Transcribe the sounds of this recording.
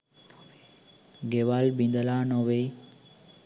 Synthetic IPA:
ɡeʋalbind̪əlaːnoʋe

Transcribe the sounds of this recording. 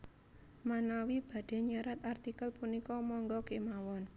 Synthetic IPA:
manawib̥a̤d̥e̤ɲaɾat̪art̪ikəlpunikɔmɔŋɡɔkemawɔn

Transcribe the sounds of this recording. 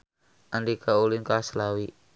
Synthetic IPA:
ʔandikʰaulinkaslawi

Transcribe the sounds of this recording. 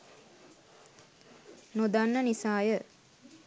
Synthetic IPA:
nod̪anːənisaːjə

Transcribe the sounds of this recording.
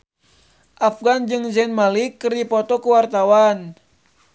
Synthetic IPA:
ʔafɡand͡ʒɨŋd͡ʒɛnmalikəripɔt̪ɔkuwart̪awan

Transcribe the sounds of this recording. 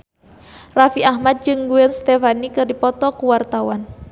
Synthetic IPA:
rafiaɦmat̪̚d͡ʒɨŋɡuɛnst̪ɛfanikɨrdipɔt̪ɔkuwart̪awan

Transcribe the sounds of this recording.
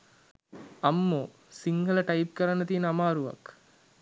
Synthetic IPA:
amːoː | siŋɡələʈɐjp̚kəɾanːət̪iənəamaːɾuʋa̰k

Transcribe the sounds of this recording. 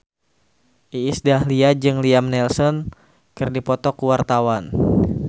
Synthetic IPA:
ʔiːsdahliad͡ʒɨŋliamnɛlsɔn | kɨrdipɔt̪ɔkuwart̪awan

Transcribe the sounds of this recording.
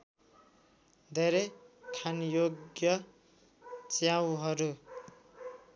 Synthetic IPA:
d̪ʱeɾekʰanjoɡjʌ | t͡sjawɦʌɾu

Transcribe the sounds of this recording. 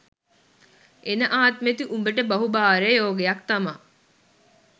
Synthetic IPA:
enəʔaːt̪met̪iʔumbəʈəbɐɦubaːɾejoːɡejɐkt̪ɐmaː

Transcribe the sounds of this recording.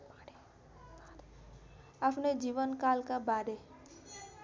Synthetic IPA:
əpned͡ʒiːʋənkaːlkabaːɾeː

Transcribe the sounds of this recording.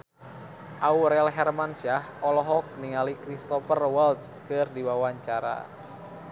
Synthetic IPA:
ʔauɾɛlɦɛrmansiahɔlɔɦɔk̚niŋalikɾist̪ɔpərwɛls | kɨrdiwawaɲt͡ʃaɾa̰

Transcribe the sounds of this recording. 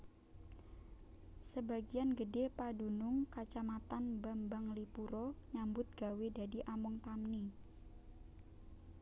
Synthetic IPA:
səbaɡianɡədepadunʊŋkat͡ʃamat̪anbambaŋlipuɾɔɲambʊt̪̚ɡ̥a̤wedadiʔamɔŋt̪amni

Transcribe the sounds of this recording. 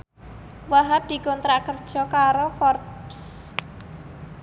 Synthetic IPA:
waɦap̚d̪̥i̤kɔnt̪ɾaʔkərd̥ʒ̥ɔ̤kaɾofɔrps

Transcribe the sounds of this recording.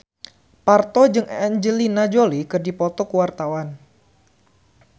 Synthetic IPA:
part̪ɔd͡ʒɨŋɛnd͡ʒəlinad͡ʒolikɨrdipɔt̪ɔkuwart̪awan

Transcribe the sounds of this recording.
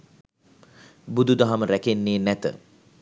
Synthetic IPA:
bud̪ud̪aɦaməɾækenːeːnæt̪ə̰

